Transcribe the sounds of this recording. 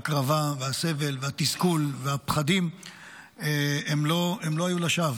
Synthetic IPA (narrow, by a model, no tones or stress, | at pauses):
kʁavavease̞ve̞lveat̪iskulveapχad̪im | eemlo̞emlo̞hajulaʃav